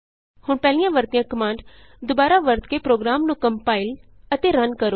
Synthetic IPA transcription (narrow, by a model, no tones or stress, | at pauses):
hʊɳpɛːlijãːʋəɾt̪ijãːkəmãːɳɖ | d̪ʊbaːɾaːʋəɾt̪kepɾoːɡɾaːmnũːkəmpaːɪl | ət̪eːɾənkəɾoː